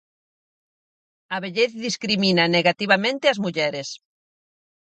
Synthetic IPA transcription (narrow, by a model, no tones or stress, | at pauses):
aβeʎeθðiskɾiminaneɣat̪iβamẽnt̪eazmuʎɛɾes